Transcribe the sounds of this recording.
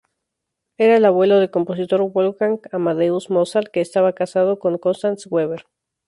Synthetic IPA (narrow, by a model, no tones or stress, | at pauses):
e̞ɾaelaβwe̞lo̞ðe̞lko̞mpo̞s̬it̪o̞ɾwolkaŋamaðeusmo̞salke̞ːst̪aβakasað̞o̞ko̞ŋko̞nst̪answeβeɾ